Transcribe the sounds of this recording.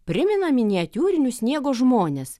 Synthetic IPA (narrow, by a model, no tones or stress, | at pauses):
pʲɾʲɪmʲɪnɐmʲɪnʲiɛt̪ʲuːɾʲɪnʲusʲnʲiɛɡoːʒmoːnʲes